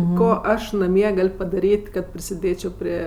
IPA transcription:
ˈkoː ˈɐʃ nɐˈmʲiɛ ˈɡɐlʲ pɐdɐˈrʲiːtʲ kɐt pʲrʲɪsʲɪˈdʲeːt͡ʃʲoː ˈpʲrʲiɛ

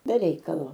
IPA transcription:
bʲɛ ˈrʲɛɪkɐlˠoː

